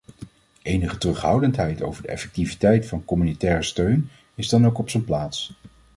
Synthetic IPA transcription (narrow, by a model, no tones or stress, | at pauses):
ʔejnəχətərɵχɦʌwdəntɦɛjto̰wvəɹdəɛ̰fɛk̚tivitɛjtfɑnkɔmynitɛːrəstøɥn | ɪzdɑnowkɔpsənplaːts